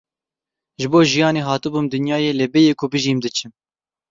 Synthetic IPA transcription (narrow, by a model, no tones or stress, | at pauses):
ʒɨboːʒijɑːneːɦɑːt̪ɨbumd̪ɨnjɑːjeːlɛbɛjeːkʰʊbɨʒiːmd̪ɨt͡ʃʰɨm